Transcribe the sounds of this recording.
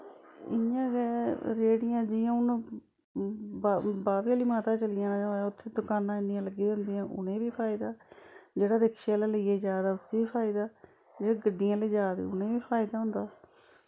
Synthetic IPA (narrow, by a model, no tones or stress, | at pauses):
ɪjãːɡɛːɾeːɽɪjãːd͡ʒɪːjãːʊn | babaːʋiaːliːmaːt̪ãːt͡ʃəlɪjãːnãːd͡ʒoʊt̪ʰːeːd̪ʊkaːnãːɪnɪjãːləɡiːd̪ənd̪iːãːʔʊ̰nẽːbiːpʰaːɪd̪aːd͡ʒeːɽaːɾɪkʃjaːleːləieːd͡ʒaːd̪aːʊsiːiːpʰaːɪd̪aː | d͡ʒeːɽaːɡəɖːɪjãːleːd͡ʒaːd̪ḛːʊnẽːʋiːpʰaːɪd̪aːɦʊnd̪aː